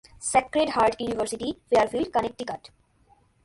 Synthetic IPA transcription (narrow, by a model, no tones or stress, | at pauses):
sɛkɾeɖɦaɾɖjunivəɾsiʈifeaɾfilɖkənek̚ʈikaʈ